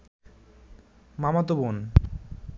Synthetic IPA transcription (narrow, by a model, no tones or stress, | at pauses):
mamat̪obon